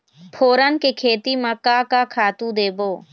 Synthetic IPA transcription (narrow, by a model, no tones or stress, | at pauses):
pʰoːɾənkekʰeːt̪imãkaːkakʰaːt̪ũd̪eːboː